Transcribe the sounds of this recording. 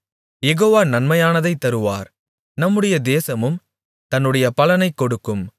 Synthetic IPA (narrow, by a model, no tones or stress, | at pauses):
jɛɣoːʋaːnɐnmɐjaːnɐðɐɪt̪ːɐɾɯʋa̰ːɾ | nɐmːɯɽɐjɐd̪eːsɐmɯm | t̪ɐnːɯɽɐjɐpɐlɐnɐɪkːɔɽɯkːɯm